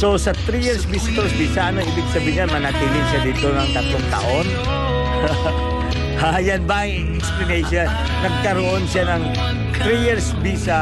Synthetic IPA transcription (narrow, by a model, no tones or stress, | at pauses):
sosɐt̪ɾijɪɹsbist̪oɹsbiːsaɐnoʔiːbɪɡsɐbiːɲanmɐnɐt̪iːlɪŋʃɐd̪iːt̪onɐŋk̪ɐt̪oŋt̪ɐ̰ʔon | ajanbɐŋ | ɛksplɐnɛjʃɐn | nɐɡ̚kɐɾoʔo̞nʃanɐŋ | t̪ɾijɪɹsbisa